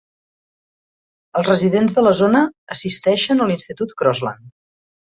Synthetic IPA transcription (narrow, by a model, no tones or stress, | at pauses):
əlˠzrəziðenzðələzonəːsist̪ɛʃənəlinst̪it̪ut̪kɾɔzla̰n